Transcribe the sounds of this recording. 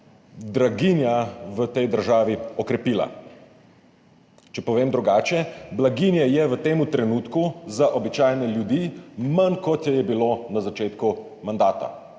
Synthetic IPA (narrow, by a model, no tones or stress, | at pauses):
d̪ɾaɡinjaʋət̪ɛjd̪əɾʒaːʋiɔkɾɛpiːla̰ | t͡ʃɛpɔʋeːmd̪ɾuɡaːt͡ʃɛblaɡinjɛjɛʋət̪eːmut̪ɾɛnuːt̪kuzaʔɔbit͡ʃaːjnɛljud̪imɐnkɔt̪jɛjɛbilonazat͡ʃeːt̪ku | mand̪aːt̪a̰